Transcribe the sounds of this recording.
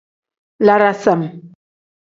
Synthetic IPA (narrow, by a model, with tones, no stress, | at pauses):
la˨ɾa˨sa˨m